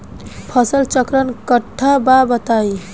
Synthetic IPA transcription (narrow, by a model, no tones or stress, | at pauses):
pʰəsəlt͡ʃəkɾənkəʈʰːababət̪ai